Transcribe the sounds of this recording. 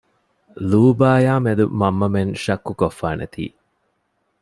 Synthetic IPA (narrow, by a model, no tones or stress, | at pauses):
luːbaːjaːmed̪umɐmːɐmenʃɐkːukofːaːnʔḛt̪ʰḭː